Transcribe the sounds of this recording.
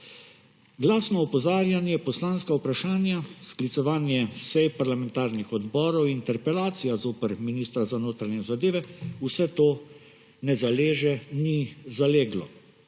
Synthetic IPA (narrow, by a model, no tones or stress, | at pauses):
ɡlaːsnɔɔpɔzaːɾjanjɛpɔslaːnskawpɾaʃaːnjasklit̪sɔʋaːnjɛsɛjpaɾlamɛnt̪aːɾnixɔd̪bɔːɾɔwint̪ɛɾpɛlaːt̪sijazoːpəɾminiːst̪ɾazanoːt̪ɾaɲɛzad̪eːʋɛusɛt̪oː | nɛzaleːʒɛnizaleːɡlɔ